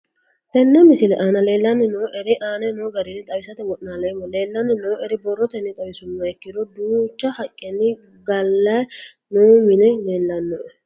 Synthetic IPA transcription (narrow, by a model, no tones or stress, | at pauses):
t̪ɛnːɛmɪsɪlɛʔaːnɐle̞ːlːɐnːɪnoːʔɛɾɪʔaːnɛnoɡɐɾɪnːɪt̪ʼɐwɪsɐt̪ɛwɔʔnaːlɐjmɔle̞ːlːɐnːɪnoːʔɛɾɪbɔrːɔt̪ɛnːɛt̪ʼɐwɪsʊmːɐɛkːɪd̪ɔd̪uːt͡ʃːɐhɐkʼːɛnːɪ | ɡɐlːɐj | noːmɪnɛle̞ːlːɐnːɔʔɛ